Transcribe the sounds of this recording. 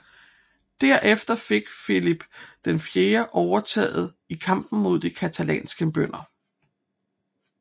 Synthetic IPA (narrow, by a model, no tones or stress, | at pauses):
d̥æɐ̰ʔefd̥ɐfe̝ɡ̥filib̥d̥enfje̝ːɐʔɒʊɐt͡sʰɛ̰ːð̩ˠ | ikʰɑ̈m̰b̥n̩mo̝ð̰ˠd̥ikʰæt͡sʰælɛ̰ːnsɡ̥əb̥øn̰ɐ